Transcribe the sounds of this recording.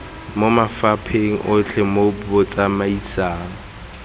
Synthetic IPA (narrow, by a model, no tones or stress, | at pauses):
momafapʰeŋ̩ʔʊt͡ɬʰɛmobbɔt͡sʼamaisaːŋ̩